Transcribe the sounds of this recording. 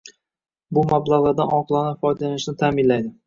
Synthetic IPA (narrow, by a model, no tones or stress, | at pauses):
bʊmablˠaʁlˠaɾd̪anʔɒqlˠanafɒjd̪alanɪʃnɪt̪ʰaːmɪnlajd̪ɪ